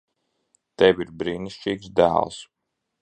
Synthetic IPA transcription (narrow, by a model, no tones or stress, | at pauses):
t̪ɛvʲiɾbɾiːniʃt͡ʃiːksd̪æ̰ːlˠs